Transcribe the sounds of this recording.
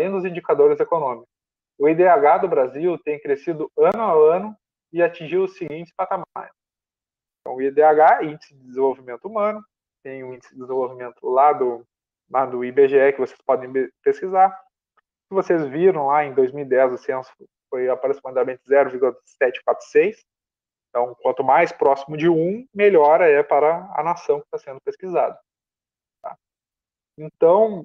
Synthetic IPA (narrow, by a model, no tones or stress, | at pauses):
lẽj̃d̪ʊzĩd͡ʒikad̪oɾɪzekonõmikʊ̥s | ʊid̪eaɡad̪ʊbɾaziwt̪ẽj̃kɾesid̪ʊɐ̃nʊawɐ̃nʊ | ɪat͡ʃĩʒiwʊsɪɡĩt͡ʃ̪ɪ̥spat̪amaɾ | ẽt̪ɐ̃w̃ʊid̪eaɡaĩnd͡ʒɪsɪd͡ʒɪd̪ɪzẽvowvimẽnt̪ʊumɐ̃nʊ | t̪ẽj̃ʊ̃ĩnd͡ʒɪsɪɪzẽvowvimẽnt̪ʊlad̪ʊ | lad̪ʊibeʒeɛkɪvose̥spɔd̪ẽj̃peskizaɾ | sɪvosezviɾɐ̃w̃laẽj̃d̪ojzmiwid̪ɛzʊsẽnsʊʊ | fojapaɾosimãd̪amẽnt̪ɪzɛɾʊviɾɡulɐ | sɛt͡ʃɪ̥kwat̪ɾʊ̥sejs | ẽt̪ɐ̃w̃kwɐ̃nt̪ʊmajspɾɔsimʊd͡ʒɪũmeʎɔɾɐɛpaɾɐɐ̰nasɐ̃w̃kɪ̥t̪asẽnd̪ʊpeskizad̪ɐ | t̪a̰ | ẽt̪ɐ̃w̃